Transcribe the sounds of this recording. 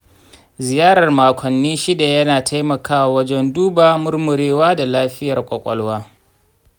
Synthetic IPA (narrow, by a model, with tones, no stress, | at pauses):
zɪ˨jaː˦ɽɐ˨rmaː˨kʷʰɔ˨nːiː˦ʃi˦da˨jɐ˦naː˨tʰa˦jmɐ˨kaː˦wa˨wɐ˦d͡ʒɛ˦nduː˦baː˨mʊ˦rmʊ˨ɾeː˦waː˦da˨laː˦ɸɪ˦jɐ˨rkʷʼɐ˨kʷʼɔ̰˦lwaː˦